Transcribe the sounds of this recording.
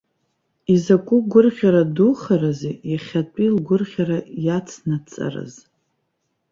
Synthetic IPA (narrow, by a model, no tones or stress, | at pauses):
izakʷʼʊɡʷʊrʁʲaɾaduχaɾazejaχʲatʷʼilɡʷʊrʁʲaɾajat͡sʰnat͡sʼa̰ra̰z